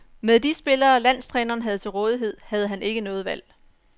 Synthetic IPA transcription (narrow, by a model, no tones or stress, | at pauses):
meðˠd̥isb̥e̝lɐːlæn̰st͡sʰʁɛːnɐːnɦæð̞̩ˠt͡sʰe̝lʁɔ̽ːð̞ˠiɦe̝ð̞̰ˠhæð̞̩ˠəɦæne̝ɡ̥ənɔ̽ːð̩ˠʋæl̰